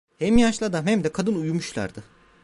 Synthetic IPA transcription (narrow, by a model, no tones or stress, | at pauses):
hɛmjaʃlˠad̪amhɛmd̪ɛkʰad̪ɯnujumuʃlˠa̰ɾd̪ɯ